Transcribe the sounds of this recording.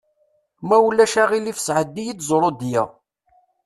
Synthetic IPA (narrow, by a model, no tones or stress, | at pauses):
mæwlːæʃæʁilifsʕəd̪ːijit͡sːzˤɾˤod̪jæ̰